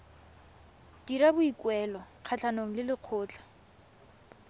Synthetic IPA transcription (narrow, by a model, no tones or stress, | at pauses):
diɾabʊikwɛːlɔq͡χʰat͡ɬʰanoŋ̩lɪlɪq͡χʰʊːt͡ɬḁ